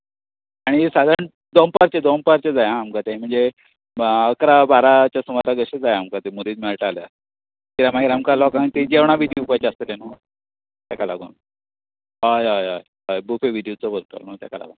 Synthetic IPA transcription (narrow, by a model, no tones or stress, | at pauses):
aɽ̃isad̪ʱaɾɳ | d̪ompaɾt͡ɕed̪ompaɾt͡ɕed͡zajaːmkat̪eɦĩm̤əɳd͡ze | əkɾabaɾat͡ɕjasumaɾaɡəɕed͡zajaːmkat̪emuɾiːd̪mɛɭʈalja | k̪iɾamaɡiɾamkalɔkait̪ed͡ʑeʋɳ̃aʋidiupajt͡ɕeast̪eleno | t̪akala̰ɡṵːn | ɦajajaj | ɦajbufeʋiɖijot͡sɔbʱəɾt̪ə̰not̪ja̰ka̰la̰ɡun